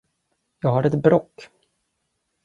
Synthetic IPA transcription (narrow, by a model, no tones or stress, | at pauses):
jɑːɡɦaɖɛt̪bɾɔkː